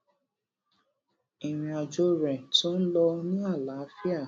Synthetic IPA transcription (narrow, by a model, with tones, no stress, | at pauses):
i˨w̃ĩ˧ɔ˨d͡ʒo˦ɾɛ˨to˦n̩˦lɔ˧nĩ˦a˦˨la˨˦fi˦a˦˨